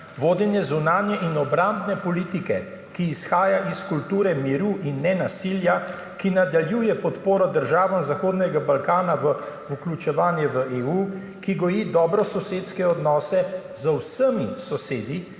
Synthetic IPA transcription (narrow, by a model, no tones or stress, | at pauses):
ʋoːd̪jɛnjɛzunaːnjɛʔinɔbɾambnɛpɔliːt̪ikɛ | kiːsxaːjaʔiskult̪uːɾɛmiɾuːʔinːɛnasilja | kinad̪aljuːjɛpɔt̪poːɾɔd̪əɾʒaːʋamzaxoːd̪nɛɡabalkaːnaʋə | uklʲut͡ʃɛʋaːnjɛʋəeːuː | kiɡɔjid̪ɔːbɾɔsɔseːt̪skɛɔd̪nɔːsɛzəwsəmisɔseːd̪i